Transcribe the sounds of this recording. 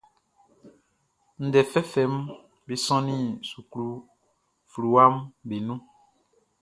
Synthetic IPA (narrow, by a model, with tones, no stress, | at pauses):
n̩˨dɛ˨fɛ˦fɛ˨˦m | bi˨sɔ̃˦nĩ˦˨su˨klu˦ | flu˨wa˦mbe˨nũ˦